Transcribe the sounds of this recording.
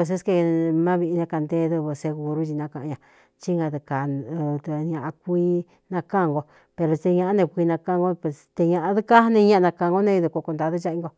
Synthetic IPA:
e˧s̬e˦ske˧mã˦βi˧nẽ˧ka˧nd̪e˦ðu˧βu˧se˧ɣu˧ɾu˦t͡ʃi˧nã˧kã˧˨ã˧ɲã˧ | t͡ʃi˦ŋɡã˧ðɨ˧ka˨˧t̪ɲã˧ʔã˧kʷi˧ | nã˧kã˦˨ŋɡo˧ | pe˧ɾo˧t̪e˧ɲã˧ʔa˦nẽ˧kʷi˧nã˧kã˦˧ŋɡo˦pe˧˨st̪e˧ɲã˧ʔa˧ðɨ˦ka˦nĩ˧ɲã˦ʔa˧nã˧kã˧ŋɡo˦nẽ˦i˧ðu˧ko˧ko˧nd̪a˧ðɨ˦t͡ʃa˦ĩ˧˦ŋɡo˧

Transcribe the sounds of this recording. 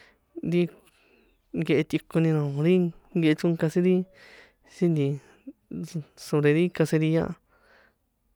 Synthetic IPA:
nɾi˦ | ŋɡe˧ʔe˧t̪ʲi˧ku˧nĩ˧nõ˨˧ɾi˦ɡe˧e˧t͡ʃũ˦˧ka˧si˦ɾi˦ | si˦nd̪ĩ˧ | so˧ɾe˧ɾi˦ka˧se˧ɾi˧ɲã̰˦˧ʔ

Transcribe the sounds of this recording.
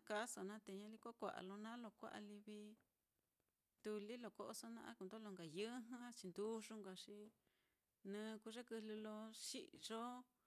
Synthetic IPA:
a˧ka˦so˧˨nã˦t̪e˧ɲã˧li˧kʷa˦kʷa̰˨ʔa̰˨lo˧nã˦lo˧kʷa̰˦ʔa̰˧li˧βi˧ | t̪u˧li˦lo˧˨ko˦ʔo˧so˧nã˧ʔa̰˦ku˧˨nd̪o˦lo˧ŋɡa˨jɨ˦ɦã˦t͡ʃi˧nd̪u˦ʐu˧ŋɡa˧ʂi˧˦ | nɨ̃ː˧ku˧ʐe˦kɨ˧lɨ˧lo˧ʂḭ˦ʔʐo˦

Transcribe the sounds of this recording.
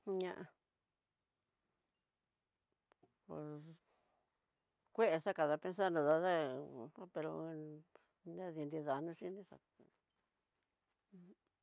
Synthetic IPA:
ɲã˧ʔa˧ | pḛ˨ | kʷe˦ʔe˧ʂa˦ka˨ða˧pe˧ns̬a˦nõ˧ða˧ða˦a˦pe˧ɾo̰˧ | nẽ˦ði˧nɾi˧ða˨nũ˦ʂi˦nĩ˦ʂa̰˨˧

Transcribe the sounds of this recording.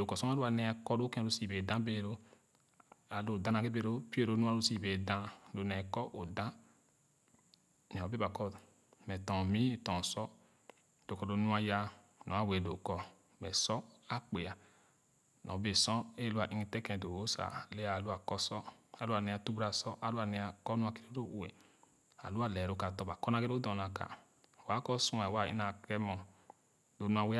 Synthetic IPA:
do˨kɔ˨sɔ˦a˦lu˦a˨nɛ˨˦a˨kɔ˦do˦kɛ̃˦˨ɾo˦si˨be˨dã˦be˦˨ɾo˦ | a˨lo˦˨dã˦a˨ke˦be˦˨ɾo˦pi˦e˦˨ɾo˦nũ˦a˦ɾo˦si˨be˨dã˦do˨nɛ˨kɔ˦ʔo˨dã˦ | nɛ˨ɔ˨be˦ba˨kɔ˦ | mɛ˨tɔ̃˨mĩ˦˨tɔ̃˨sɔ˦ | d̥o˨kɔ˨do˦nu˦a˦ja˦ | nɔ̃˨˦a˦we˨do̰˨kɔ˨ | mɛ˨sɔ˦a˦k͡pe˨a˨ | nʔɔ̰̃˨˦be˨sɔ˦e˦lu˦a˨ʔi˦ŋi˧tɛ˦kɛ̃˧˨do˨o˦sa̰˨le˦a˨lu˦a˨kɔ˧sɔ˦a˨lu˦a˨ne˧a˧tu˦bu˦ɾa˧˨sɔ˦ʔa˨˦lu˦a˧˨ne˧a˨kɔ˦nũ˦a˧ki̥˨ɾo˦ɾo˦˨wḛ˨ | a̰˨lu˦a˦˨lɛ˨ɾo˨ka˨tɔ˧˨ba˨kɔ˦na˧˦ɡe˦ɾo˦dɔ˨na˨ka̰˨ | wa˨˦kɔ˦sũ˦ɛ˨wa˨ḭ˦na˨kɾɛ˦mɔ˨ | do˨˦nu˦a˧˨we˦

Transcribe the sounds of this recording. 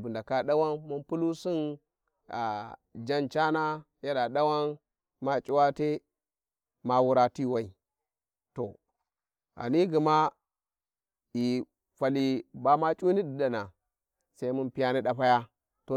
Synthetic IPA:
bu˨nda˨ka˦ɗa˦wa˦nmu˦npu˦lu˦si˦n | a˨d͡ʒa˦nt͡ʃa˦na˦ | ja˦ɗa˨ɗa˦wa˦n | ma˦t͡ʃʼi˦wa˦te˦ | ma˨wu˦ɾa˦ti˦˨wa˨i˨ | to˨ | a̰˨ni˦ɡi˨ma˦ | i˨ | fa˨li˦ba˦ma˦t͡ʃʼu˦ni˦di˨da˨na˨ | sa˦i˦mu˦npi˦ja˦ni˦ɗa˦pa˦ja˦ | to˨

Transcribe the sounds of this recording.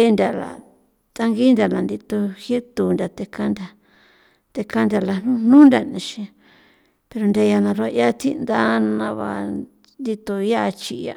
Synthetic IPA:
e˦nd̪ʲa˨la̰˨ | t̪a˧ŋɡi˦nd̪ʲa˨la˨nd̪i˧t̪o˧he˦t̪u˨nd̪ʲa˨t̪e˧ka˦nd̪ʲa˨ | t̪e˧ka˦nd̪ʲa˨la˧nũ˧n̥nũ˦nd̪ʲa˨nĩ˧ʃĩ˧ | pe˧ɾo˧nd̪ʲa˧ja˧nã˧ɾa˧ja˦t̪i˦nd̪a˦nã˧βa̰˧ | nd̪i˧t̪o˧ja˦˧t͡ʃi˧a̰˧

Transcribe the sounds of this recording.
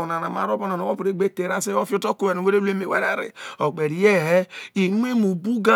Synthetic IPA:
o˨na˨na˨ma̰˨ɾo˦bo˦na˨no˨wo˦pu˨ɾe˦ɡ͡be˦te˨ɾa˦se˦o˦fjo˦to˦ko˦we˨we˦ɾe˦lu˦e˦me˨wḛ˦ɾa̰˦ɾḭ˨o˨k͡pe˨ɾi˨je˦˨ɦe˦i˨nʷ˦e˦mu˨bu˦ɡa˦

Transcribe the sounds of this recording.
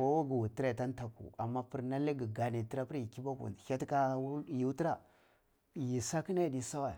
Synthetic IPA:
a˦wa˦ɡi˨wu˨ti˦ɾa˨ta˦n˦ta˨kṵ˨a˨mːa˦pi˨ɾna˦le˦ɡi˨ɡa˨ni˨ti˦ɾa˦pi˦ɾji˨ki˦ba˦kṵ˨ha˦tka˦ji˨˦ti˦ɾa˨ | ji˨sa˦ki˦na˦˨di˦sa˦wa˨

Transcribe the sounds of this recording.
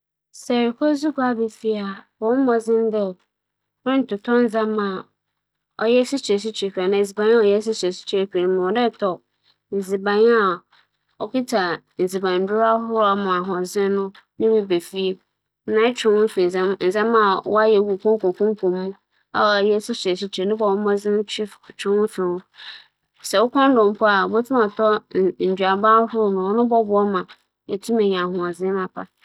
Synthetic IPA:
sɛ˨ɾkʰo˦zu˦kɔ˦a˨be˨fi˦a˨wɔ̃˨˦mɔ̃˨zɪ̃˦n˦dɛ˦˨˦ | ɾɪ̃˦n̩˨tʊ˨tʰɔ˦n̩˦d͡zã˦mã˨ | ɔ˨jɛ˦si˦t͡ʃe˨s̬i˦t͡ɕʰᶣe˨kʰᶣi˨a˨nã˨zi˨bã˨ɲ˦ɔ˨jɛ˦s̬i˦t͡ʃe˨si̥˦t͡ɕi˨ɾe˨ka˨n˨mã˨ɔ˨dɛ˦˨tʰɔ˨ | n̩˨zi˨bã˨ɲ˦a˨ | ɔ˨ki˦tʰa˨ | n̩˨zi˨bã˨n˨dʊ˦a˦ɦʊ˦ɾa˨mã˨a˨ɦɔ̃˨zɪ̃˦nʊ̃˦ | nɪ̃˦mĩ˦be˨fi˦e˦˨ | nã˦t͡ɕᶣɪ˨˦wʊ̃˦fi˨za˦n̩˨zã˦ma˨wɔ̰˦a˦jɛ˨wu˨kʰɔ̃˦ŋ˦kõ˨kʰʊ̃˦m˦kʰõ˨m˦mũ˦ | a̰˦˨a˨jɛ˦sʊ˦sʊ˨ɛ˨si˦t͡ɕʰɾe˨nʊ̃˦bɔ˨wʊ˦mã˦zɪ̃˦n˦t͡ɕʰi˦ft͡ɕᶣɪ˦wʊ̃˦fɪ˨wʊ̃˦ | sɛ˨wʊ˦kʰɔ̃˦n˦dɔ̃˨m˦pʰɔ˦a˨bo˦tʰu˦ma˨tʰɔ˦n̩˨d͡ʑᶣa˨ba˦hʊ˦nʊ̃˨ɔ˦nʊ̃˦bɔ˦bʊ˦ɔ˦mã˨ | ɛ˨tʰũ˦mẽ˨ɲ˨a˨hʊ̃˨a˨zɪ̃˦mã˨pʰa˦

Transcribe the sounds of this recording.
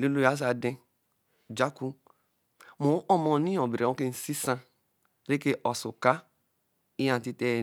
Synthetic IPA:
le˦lo˦ja˦s̬a˨dẽ˦ | d͡ʒa˦ku˦ | mo˨˦ʔɔ˦mɔ˦nĩ˦ɔ̃˨bi˨ɾe˨õ˦ke˦n̩˨˦si˦sã˦ | ɾe˦ke˦ʔɔ˨su˨ka˦ | i˦jã˨ti˦te˦˨

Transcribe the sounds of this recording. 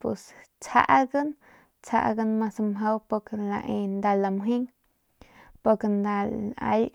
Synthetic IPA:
pwe˨st͡sʰha̰˦ʔɡə˦n | t͡sʰa̰˧ʔɡa˦nma˧samɦa˦wpo˧kela̰˧ʔe˧nd̪a˧la˧mɦi˦ŋ | po˧ɾke˧nd̪a˧la̰˧j

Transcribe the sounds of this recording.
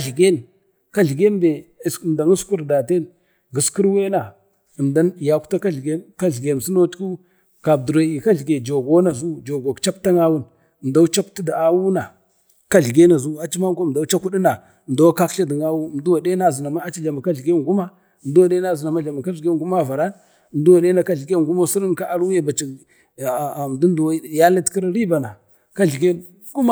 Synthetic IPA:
a˨ɮɡe˦n | ka˦ɮɡe˦mbe˨sm˨da˨ŋi˦sku˦ɾda˨te˦n | ɡi˨ski˦ɾwe˦na˨ | mda˦n˨ja˨ku̥˦ta˦ka˦ɮɡe˦ka˦ɮɡe˨m˨si˦no˦tu˦ | ka˨bdu˨ɾo˨i˨ka˦ɮɡe˨d͡ʒo˨ɡo˦na˨zu˦d͡ʒo˨ɡo˨kt͡ʃa˦p̚ta˦ŋa˦wu˦n˨ | m˨da˦u˦t͡ʃa˦pti˦da˨a˦wu˦na˨ | ka˦ɮɡe˦na˨zu˦a˨t͡ʃi˦ma˦ŋ˦ko˦˨da˨˦t͡ʃa˦ku˦ɗi˦na˨ | m˨da˦wa˦ka˦kɬa˦di˨ŋa˦wu˦˨m˨du˦wa˨de˦na˦˨zi˨na˨ma˦a˦t͡ʃi˦ɮa˨ma˨ka˦ɮɡe˦ŋɡu˦ma˦˨ | m̩˨du˦wa˨de˦na˦zi˨na˨ma˦ɮa˨ma˨ka˦ɬɡe˦˨ɡu˦ma˦˨va˨ɾa˦n˨ | m˨du˦wa˨de˦na˨ka˦ɮɡe˦˨ŋɡu˦mo˦si˦ɾi˦n˦ka˦a˦ɾu˦ja˦ba˨t͡ʃi˨ | m˨du˦n˦du˨wa˦˨ja˦la˦tki˦ɾɾi˦ba˨na˨ | ka˦ɮɡe˦ | ɡu˦ma˦

